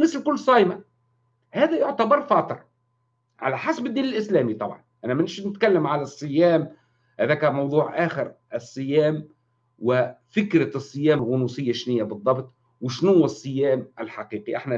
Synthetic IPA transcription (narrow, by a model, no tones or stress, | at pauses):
nɪslkʊlːsˤɑːjma | hæːðæjʊʕt̪abɑɾˤfɑːt̪ˤɨɾˤ | ʕa̰læħasbɪd̪ːiːnɪlʔɪslæːmit̪ˤɑ̰bʕɑ̰nʔænæmɪnʃnɪt̪kalːɪmʕalasˤːɨjːæːm | hæðæːkæmɑwd̪ˤuːʕʔaːxɪɾʔɑsˤːɨjæːm | wɪfɪkɾasˤːɨjæːmlɣʊnuːsɪjːaʃnɪjːabɨðˤːɑbt̪ˤ | wɪʃnhʊwːæsˤːɨjːæːmʔɪlħaqiːqiʔɪħna